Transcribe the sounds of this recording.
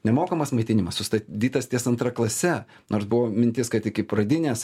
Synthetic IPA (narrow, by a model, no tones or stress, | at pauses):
nʲɛmoːkɐmɐsmɐɪt̪ʲɪnʲɪmɐssʊst̪ɐd̪ʲiːt̪ɐst̪ʲiɛsɐnt̪ɾɐklˠɐsʲɛ | nʔoːɾsbʊʋoːmʲɪnʲt̪ʲɪskɐt̪ɪkʲɪpɾɐd̪ʲɪnʲeːs